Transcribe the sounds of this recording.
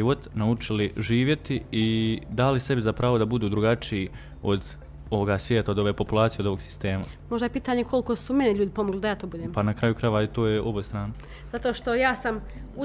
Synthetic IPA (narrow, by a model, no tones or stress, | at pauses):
iʋo̞t̪naut͡ʃiliʒiːʋje̞t̪iid̪alise̞bizapɾaːʋo̞d̪abud̪uːd̪ɾuɡat͡ʃiː | o̞d̪ | o̞ʋoɡaːsʋjeːt̪aod̪o̞ʋeːpo̞pulˠaːt̪sijeod̪o̞ʋo̞ɡsi̥st̪e̞ːma | moʒd̪ajepiːt̪aːɲekʰo̞lko̞sumeneʎuːd̪ipo̞moɡlɪd̪ajaːt̪oːbud̪eːmpanakɾaːjukɾaʋait̪o̞ːjeʔobost̪ɾaːna | z̥at̪oʃt̪o̞jaːsam | u